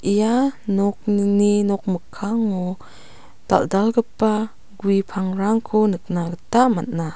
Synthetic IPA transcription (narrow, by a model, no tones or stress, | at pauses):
ʔijanɔk̚nninɔk̚məkʰːaŋːɔ | d̥a̰ldalɡəpa | ɡuipʰaŋɾaŋkʰɔnɯk̚naɡətamatna